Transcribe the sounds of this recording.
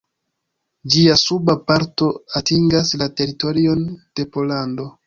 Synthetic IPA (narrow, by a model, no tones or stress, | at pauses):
d͡ʒiasubapaɾto̞atiŋɡaslate̞ɾito̞ɾio̞nd̥e̞po̞lando̞